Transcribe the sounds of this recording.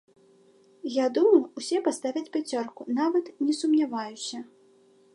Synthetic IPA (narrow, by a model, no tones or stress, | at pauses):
jad̪umɐwusʲɛpast̪avʲɐt͡sʲpʲat͡sʲɔrkunavɐt̪nʲɛsumnʲavajusʲɐ